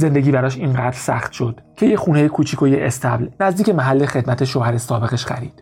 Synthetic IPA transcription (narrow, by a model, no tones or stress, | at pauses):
ze̞nd̪e̞ɡʲiːbæɾɒːʃinɢæd̪ɾsæ̰χt̪ʃo̞d̪̥cʰe̞je̞xuːne̞jekʰuːt͡ʃʰiːkʰojeʔest̪ʰæblnæzd̪iːce̞mæɦælːexe̞d̪̚mæt̪ʰe̞ʃohæɾesɒːbe̞ɣe̞ʃχæɾiːd̪̥